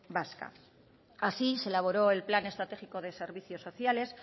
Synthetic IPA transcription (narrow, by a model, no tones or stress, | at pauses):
baska̰ | asiselaβ̞o̞ɾoe̞lplane̞st̪ɾat̪e̞xiko̞ð̞e̞se̞ɾβ̞iθjo̞sːo̞θjale̞s